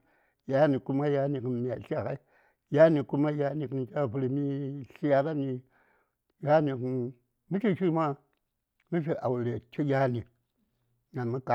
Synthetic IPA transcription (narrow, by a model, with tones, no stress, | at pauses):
ja˦ni˨ku˦ma˦ja˦ni˨ki˨nmi˦˨a˨ɬi˦a˨ka˦i˦ | ja˦ni˨ku˦ma˦ja˦ni˨kɨ˦˨nka˦˨pu˦li˨mi˦ɬi˦a˨ka˦ni˨ | ja˦ni˨kn | mi˦ʃi˦ʃi˦ma˦ | mi˦ʃ̬i˨ʔa˨wu˨ɾe˨t͡ʃi˦jʲa˦ni˨ | ŋa˨nmu˦ka˨